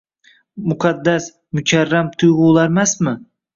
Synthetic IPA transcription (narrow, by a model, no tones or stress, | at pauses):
mʊqʰɑd̪ːas | mʊt͡ʃʰʲaɾːamt̪ʰʊjʁʊlˠaɾmasmɪ